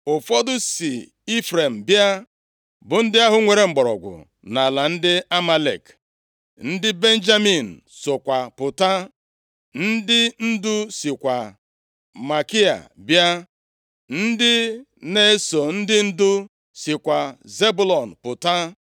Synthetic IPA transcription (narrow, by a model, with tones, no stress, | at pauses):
ʊ˨fɔ˦dʊ˦si˨ | i˦fɾe˨m̩˨bja˦ | bʊ˨n̩˦dɪ˦a˦ɦʊ˦ŋʷe˨ɾe˨ŋ͡m̩˨ɡ͡bɔ˨ɾɔ̰˨ɡʷʊ̰˨ | na˨la˨n̩˦dɪ˦a˦ma˦lḛ˨k | n̩˦dɪ˦be˦n˦d͡ʒa˦mi˨n̩˨so˨kʷa˨pʊ˨ta˦ | n̩˦dɪ˦n̩˦dʊ˦sɪ˨kʷa˨ | ma˨ki˦a̰˨bja˦ | n̩˦dɪ˦ | ne˦so˨n̩˦dɪ˦n̩˦dʊ˦ | sɪ˨kʷa˨ze˦bu˦lɔ˨n̩˨pʊ˨ta˦